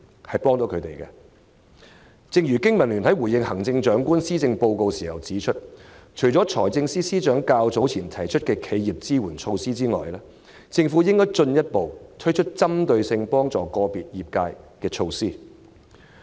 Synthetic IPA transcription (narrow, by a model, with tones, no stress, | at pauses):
hɐ˨˩jpɔː˥ŋt̪o˨˥wkʰɵ˨˧ɥt̪e˨˩jkɛ̰˧ | t͡sɪ˧ŋjyː˨˩kɪ˥ŋmɐ˨˩nlyː˨˩nhɐ˨˥jwuː˨˩jɪ˧ŋhɐ˨˩ŋt͡sɪ˧ŋt͡ʃœː˨˥ŋkuː˥nsiː˥t͡sɪ˧ŋpo˧wko˧wsiː˨˩hɐ˨˩wt͡siː˨˥t͡ʃʰɵ˥t̚t͡ʃʰɵ˨˩jt͡sɔː˨˥t͡ʃʰɔː˨˩jt͡sɪ˧ŋsiː˥siː˥t͡ʃœː˨˥ŋkaː˧wt͡so˨˥wt͡sʰiː˨˩nt̪ʰɐ˨˩jt͡ʃʰɵ˥t̚kɛː˧kʰe˨˧jjiː˨˩p̚t͡siː˥wuː˨˩nt͡ʃʰo˧wsiː˥t͡siː˥ŋɔ̰ː˨˩jlɛː˥ | t͡sɪ˧ŋfuː˨˥jɪ˥ŋkɔː˥jt͡sɵ˧njɐ˥t̚po˨wt̪ʰɵ˥t͡ʃʰɵ˥t̚t͡sɐ˥mt̪ɵ˧ɥsɪ˧ŋpɔː˥ŋt͡sɔː˨˩kɔː˧piː˨t̚jiː˨p̚kaː˧jkɛː˧t͡ʃʰo˧wsiː˥